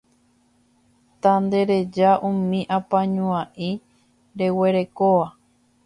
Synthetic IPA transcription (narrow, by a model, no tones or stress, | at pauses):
t̪and̪e̞ɾe̞d͡ʒaʔũmĩʔãpãɲũãʔi | ɾe̞we̞ɾe̞koʋa